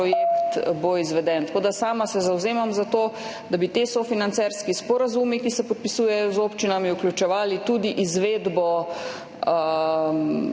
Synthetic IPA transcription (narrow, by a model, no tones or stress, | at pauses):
ɔjekt̪boizʋɛd̪ɛnt̪ḁkoːd̪asaːmasɛzawzeːmamzat̪oːd̪abit̪esɔfinant̪sɛɾskispɔɾazumikisɛpɔt̪̚pisuːjɛjɔzoːpt͡ʃinamiuklʲjut͡ʃɛʋaːlit̪ud̪iʔizʋed̪bɔ